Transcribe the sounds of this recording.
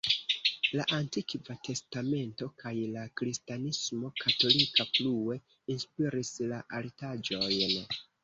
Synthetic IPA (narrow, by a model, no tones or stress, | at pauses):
laʔantikvate̞stame̞nto̞kʰajlakɾistanismo̞kʰato̞likaflue̞ | inspiɾislaʔaltad͡ʒo̞jn